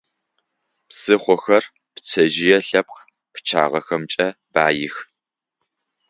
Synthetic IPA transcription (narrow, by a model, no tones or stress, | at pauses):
psɨχʷɔxɐr | pt͡sʰɐʒɪjɛɬɐp̚q | pt͡ʃʰa̰ːʁɐxɐmt͡ʃʼɐb̥aːjɪx